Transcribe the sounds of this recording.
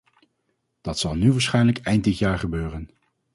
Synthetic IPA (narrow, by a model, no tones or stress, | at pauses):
d̥ɑtsɑlˠnyʋaːɹsχɛjnləkɛjnt̚dɪtjaːɹχəbøːrən